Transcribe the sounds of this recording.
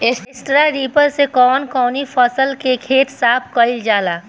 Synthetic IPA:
ɪsɪsʈɾaɾiːpəɾsekɔːnkɔːnipʰɔsəlkekʰeːt̪saːp̚ʰkəɪld͡ʒaːlaː

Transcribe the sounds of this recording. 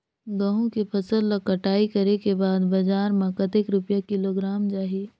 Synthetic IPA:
ɡɐ̃ɦõkepʰɐsəlːɐkːɐʈaːikɐɾekebaːd̪bɐd͡ʒaːɾmãkɐt̪ekɾʊpjakɪloɡɾaːmd͡ʒaːɦe

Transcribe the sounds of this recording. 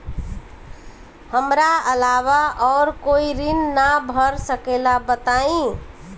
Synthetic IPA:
həmɾaəlaβaɔːɾkoiɾinːabʱəɾsəkelabət̪aĩ

